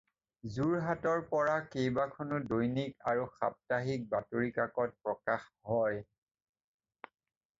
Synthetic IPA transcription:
zuɹɦatɔɹpɔɹakejbakʰɔnʊdojnikaɹuxa̰p̚taɦik̚batoɹikakɔt̚pɹɔkaxɦɔj

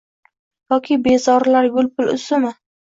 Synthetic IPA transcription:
jɒkʲʰɪbe̞zɒɾlaɾɡʲʊlpʰʊlʊ̰sʊmɪ

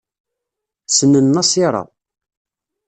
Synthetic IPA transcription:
sənːənːɑsiɾˤɑ̰

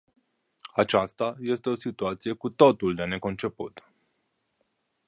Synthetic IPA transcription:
at͡ʃast̪aje̞st̪e̞o̞sit̪uat̪sije̞kut̪o̞t̪uld̪e̞ne̞ko̞nt͡ʃe̞put̪

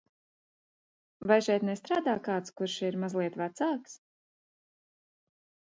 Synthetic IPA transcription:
vajʃɛjt̪nɛst̪ɾaːd̪aːkaːt̪skuɾʃiɾmazlˠiɛt̪vat̪saːks

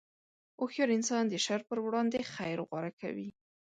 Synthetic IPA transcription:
oxjɑɾɪnsɑnd̪əʃaɾpəɾwɽɑnd̪exajɾɣwaɾaka̰wi

